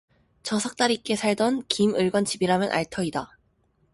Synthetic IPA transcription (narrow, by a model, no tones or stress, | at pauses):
t͡ɕʌsʰʌk̚t͈aɾik͈e̞sʰaɭdʌnkimɯɭɡʌnt͡ɕibiɾamjɯnʔa̰ɭtʰʌida